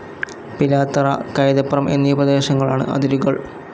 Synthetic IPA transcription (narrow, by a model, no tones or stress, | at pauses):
pilaːt̪ːɐrɐ̰kɐjd̪ɐpːrɐmʔe̞̰nːiubɐd̪eːɕɐŋːɐɭaːɳɨ̰ʔɐ̰d̪iɾuɣɐɭ